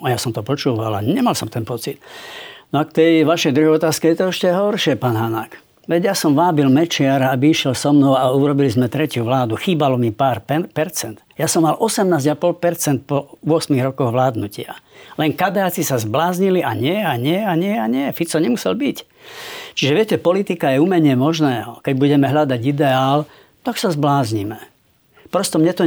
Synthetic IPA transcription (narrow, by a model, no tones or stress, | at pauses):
ajasɔmt̪ɔpɔt͡ʃuːʋa̰la̰ɲɛmalsɔmt̪ɛnpɔt͡sit̪nɔakt̪ɛjʋaʃɛjd̪ɾuɦɛjɔt̪aːskɛjɛt̪ɔɛʃcɛɦɔɾʃɪɛpaːnɦanak | ʋɛɟjasɔmʋaːbilmɛt͡ʃɪaɾabiiʃjɛlsɔmnɔʊauɾɔbilizmɛt̪ɾɛcjuʋlaːd̪uxiːbalɔmipaːɾppɛɾt͡sɛnd̪̥jasɔmːalʔɔsɛmnaːzɟapɔlpɛɾt͡sɛnt̪̚pɔuɔsmiɣɾɔkɔɣʋlaːd̪nucɪa̰lɛŋkad̪aat͡sisazblaːzɲiliʔaɲɪɛaɲɪɛaɲɪɛaɲɪɛfit͡sɔɲɛmusɛlbic | t͡ʃiʒɛʋɪɛcɛpɔlit̪ikajɛuːmɛɲɪɛmɔʒnɛːɦɔkɛɟbuɟɛmɛɦʎad̪aɟid̪ɛaːl | t̪aksazblaːzɲimɛ | pɾɔst̪ɔmɲɛt̪ɔ